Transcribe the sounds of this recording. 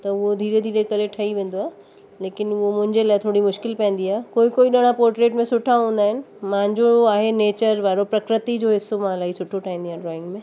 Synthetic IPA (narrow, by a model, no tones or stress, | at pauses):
t̪ɐʊɦod̪ʱiːɾed̪ʱiːɾekɐɾeʈʰɐiʋẽːnd̪oaːɦe | leːkɪnʊomʊ̃ɦɪ̃ɲd͡ʑelaːɪt̪ʰoːɽimʊʃkɪlpɛ̃ːn̆d̪iaːɦekoːikoːiɗɐɽ̃ãpɔːɾʈɾeːʈmẽsʊʈʰaɦũːn̆d̪aːɦɪnɪ̆ | mãːɲd͡ʑooaːɦeneːt͡ɕəɾʋaːɾopɾɐkɾɪt̪id͡ʑoːɦɪsːomãlaːisʊʈʰoʈʰaːĩːnd̪iãɖɾɔːɪ̃ŋɡmẽː